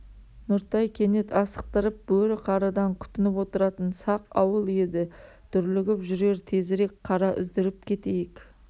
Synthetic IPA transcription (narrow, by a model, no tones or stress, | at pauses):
nʊɾt̪ɑjkʲʰe̞ne̞t̪ɑsə̥q̚t̪əɾəp̚bɵɾɪqʰɑɾɑd̪ɑŋkʲʰʏ̥t̪ɪnɪpwo̞t̪əɾɑt̪ənsɑqɑwəlˠe̞d̪ɪ | t̪ʰʏɾlɪɡʲɪpʒʏɾɡe̞ɾt̪ʰe̞zɾe̞kʲqʰɑɾɑʔʏ̰zd̪ɪɾɪp̚kʲʰe̞t̪e̞jɪkʲ